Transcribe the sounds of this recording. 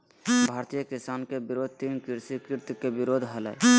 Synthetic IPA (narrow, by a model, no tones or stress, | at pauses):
bʱaːɾt̪ijəkisaːnkebɪɾoːd̪̚ʱt̪iːnkɪɾsikɪɾt̪jkebɪɾoːd̪ʱɦəlɛ̰